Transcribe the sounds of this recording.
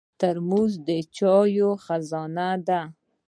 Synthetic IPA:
t̪aɾmuzd̪ət͡ʃɑjoxazɑnad̪a

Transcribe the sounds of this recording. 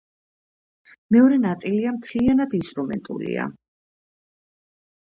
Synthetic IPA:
mɛɔɾɛnat̪sʼiliamt̪ʰlianad̪inst̪ʼɾumɛ̰nt̪ʼṵlḭa̰

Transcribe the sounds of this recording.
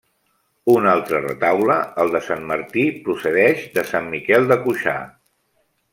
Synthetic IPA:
unalˠt̪ɾərə̰t̪awləəlˠd̪əsanməɾt̪ipɾusəðɛʃd̪əsamːikɛlˠd̪əkuʃa̰

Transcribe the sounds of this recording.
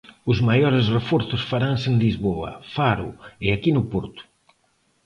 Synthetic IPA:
ʊzmajɔɾɪzrefɔɾθʊsfaɾanseŋlizβoɐ̰faɾʊ̰ɪakinʊpɔɾt̪ʊ̥

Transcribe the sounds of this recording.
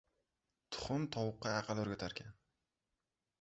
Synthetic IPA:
t̪ʰʊ̥χʊnt̪ʰɒwʊqːɑæqɑlɵɾɡʲat̪ʰaɾkʲʰan

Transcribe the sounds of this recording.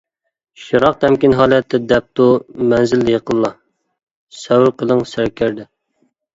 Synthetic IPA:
ʃiɾɑq̚t̪ʰɛmkʲinɦɑːlˠɛt̪ʰːɪd̪ɛp̚t̪umɛnzɪlːjəqəlˠːɑ | sɛwɾqʰəlˠəŋsæɾkʲæɾd̪ɪ

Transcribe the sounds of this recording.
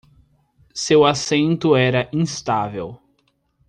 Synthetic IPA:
sewasẽnt̪ʊɛɾɐʔĩst̪avḛw

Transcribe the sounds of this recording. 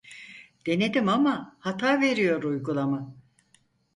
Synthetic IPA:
d̪̥e̞ned̪imamahat̪ʰaːve̞ɾijo̞ɾujɡulˠama

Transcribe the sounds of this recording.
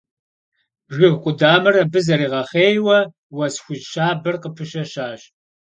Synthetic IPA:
ʒɪɣqʷʼʊdaːmɐrɐbɨzɐɾiːʁɐχeːjwɐ | wɐsxʷʊd͡ʒʃaːbɨrqəpʰɨʃɐʃaːɕ

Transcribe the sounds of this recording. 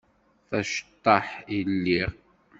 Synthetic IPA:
θæʃt̪ˤːɑħilːiʁ

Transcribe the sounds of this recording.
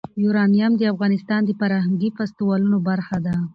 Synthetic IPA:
juɾɑnijamd̪əafɣɑnɪst̪ɑnd̪əpaɾɑhaŋɡifast̪iwɑlunobaɾxad̪a

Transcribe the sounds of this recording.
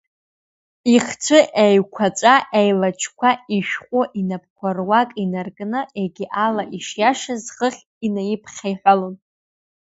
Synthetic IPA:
iχt͡ʃʷʰɨʔejkʷʰat͡ʃʷʼaʔejlat͡ʃʰkʷʰaiʃᶣχʷʼʊʔinap̚ʰkʷʰarwakʼinarɡnɨeɡʲiʔalaʔiʂjaʂazχəχʲ | inajipʰχʲajħʷᶣalon

